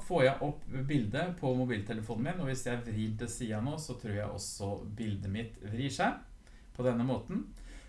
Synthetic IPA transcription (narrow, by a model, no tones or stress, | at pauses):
foːɾjæɪʔɔpːbɪld̪əpʰɔmʊbiːlt̪ʰɛləfuːn̩mɪnɔʋɪsjæɪæʋɾiːnt̪ɛsiːɑnoːsɔt̪ʰɾuːɾjæɪʔɔ̰sːɔbɪld̪əmɪt̪ʋɾiːʂæɪ | pʰɔd̪ɛnːəmoːt̪n̩